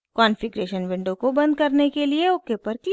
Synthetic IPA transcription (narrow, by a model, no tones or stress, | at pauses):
kaːnfɪɡɾeːʃənʋɪ̃ɳɖokobɐ̃nd̪̚kɐɾnekelieʊkepɐɾkl